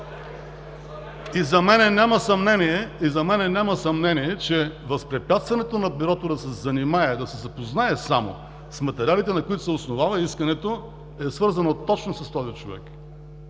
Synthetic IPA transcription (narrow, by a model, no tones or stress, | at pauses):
izɐmɛnɛnʲamɐsɐmnɛniɛizɐmɛnɛnʲamɐsɐmnɛniɛt͡ʃɛvɐspɾɛpʲjat̪st̪vɐnɛt̪onɐbiɾɔt̪od̪ɐsɛzɐnimaɛd̪ɐsɛzɐpoznaɛsamo̰ | smɐt̪ɛɾialit̪ɛnɐkoit̪ʊ̥sɛʊsnovavɐiskɐnɛt̪o | ɛsvɤɾzɐnot̪ɔt͡ʃnosɐst̪ɔzit͡ʃovɛ̰k